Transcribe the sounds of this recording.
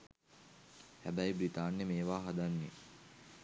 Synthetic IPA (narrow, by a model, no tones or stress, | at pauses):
hæbæjbɾit̪aːnːemeːʋaːɦad̪anːi